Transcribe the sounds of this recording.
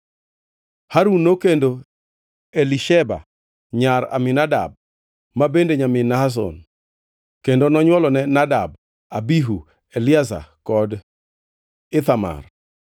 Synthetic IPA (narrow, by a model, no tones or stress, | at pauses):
haɾunːokendo | eliʃɛba̰ | ɲaɾa̰mɪnada̰b̚ | mabendeɲamɪnaas̬ɔ̰n | kendonɔɲwɔlɔnɛnadab̚ | abiɦu | elɪasa̰kɔd | ɪt̪ama̰r